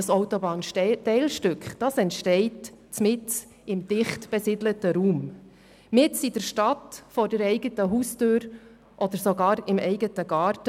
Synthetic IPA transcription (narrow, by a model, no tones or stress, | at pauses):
sɔʊtɔbɑːntɛɪlʃtʏkχd̥ɑsɛntʃtɛɪtt͡smɪt͡s | ɪmd̥ɪχtb̥ɛsɪdlətəɾuːm | mɪtsid̥əɾʃtɑtfɔɾdəɾɛɪɡətəɦuːstøːɾ | ʔɔd̪əɾsɔɡɑːɾɪmɛɪɡətəɡɑːɾtə